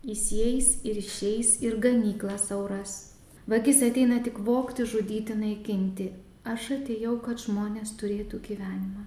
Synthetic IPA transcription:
ɪsʲɛjsɪɾɪʃʲɛɪsɪɾɡɐmʲiːklˠɐsɐʊɾɐs | ʋɐɡʲɪsɐt̪ʲɛɪnɐt̪ʲɪkʋoːkt̪ʲɪʒʊd̪ʲiːt̪ʲɪnɐɪkʲɪnʲt̪ʲɪ | ɐʃɐt̪ʲejɛʊkɐt̪ʒ̥moːnʲeːst̪ʊɾʲeːt̪uːɡʲiːʋʲæːnʲɪmɐː

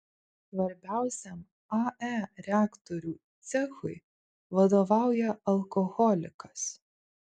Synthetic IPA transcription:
sʋɐɾʲbʲæˑʊsʲɛm | ɐæɾʲæːkt̪ɔɾʲuːt̪sʲɛxʊɪ | ʋɐd̪oʋɑˑʊjɛɐlˠkɔɣɔlʲɪkɐs

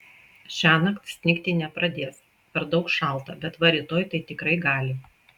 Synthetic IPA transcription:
ʃʲæːnɐkt̪sʲnʲɪkʲt̪ʲɪnʲɛpɾɐd̪ʲeːs | pʲɛɾd̪ɒʊkʃɑˑlˠt̪ɐbʲɛt̪ʋɐɾʲɪːt̪oːjt̪ɐɪt̪ʲɪkɾɐɪɡɑːlʲɪ

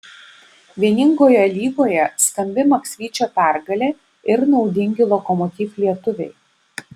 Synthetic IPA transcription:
ʋʲiɛnʲɪŋɡoːjɛlʲiːɡoːjɛsk̪ɐmʲbʲɪmɐksʲʋʲiːt͡ʃʲoːp̪æˑɾɡɐlʲeː | ɪɾnɒʊd̪ʲɪŋʲɡʲɪlˠɔkɔmɔt̪ʲiːflʲiɛt̪ʊʋʲɛɪ

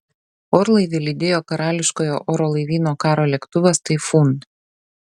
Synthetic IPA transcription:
ɔːɾlˠɐɪʋʲɪlʲɪd̪ʲeːjoːkɐɾɑːlʲɪʃkoːjo̰ːʔoːɾoːlˠɐɪʋʲiːnoːkɑːɾoːlʲɛkt̪ʊʋʲɛst̪ɐɪfuːn

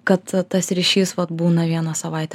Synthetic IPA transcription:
kɐt̪t̪ɐsɾʲɪʃʲiːsʋɐt̪buːnɐʋʲiɛnɐsɐʋɐˑɪt̪ʲɛ

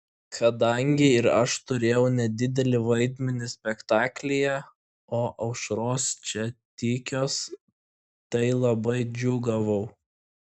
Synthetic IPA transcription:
kʰɐd̪ɐŋʲɡʲɪɪɾɐʃt̪ʊɾʲeːjɛʊnʲɛd̪ʲɪd̪ʲɛlʲɪʋɐɪd̪ʲmʲɛnʲɪsʲpʲɛkt̪ɑːklʲɪjɛ | oːʔɐʊʃɾoːst͡ʃʲɛt̪ʲiːkʲoːs | t̪ɐɪlˠɐbɐɪd͡ʒʲuːɡɐʋɐʊ

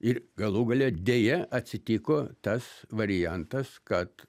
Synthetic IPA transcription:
ɪrɡɐlˠuːɡɐlʲoːd̪ʲeːjɛʔɐt̪ʲsʲɪt̪ʲiːkoːt̪ɐsʋɐɾʲɪjænt̪ɐskɐt̪

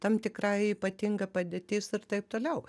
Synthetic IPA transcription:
t̪ɐmt̪ʲɪkɾɑɪiːpɐt̪ʲɪŋɡɐpɐd̪ʲeːt̪ʲɪːsɪrt̪ɐɪpt̪oːlʲɛʊ

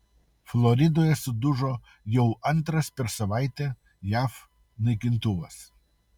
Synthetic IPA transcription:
flˠɔɾʲɪd̪oːjɛsʊd̪ʊʒo | jɛʊɐnˑt̪ɾɐspʲɛɾsɐʋaˑɪt̪ʲɛ | jæːf | nɐɪkʲɪnt̪ʊʋɐs

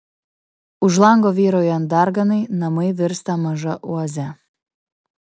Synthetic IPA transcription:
ʊʒlˠɑŋɡoːʋʲiːɾojɔnd̪ɑɾɡɐnɐɪnɐmɐɪʋʲɪɾst̪ɐmɐʒɐʔuɐzʲɛ

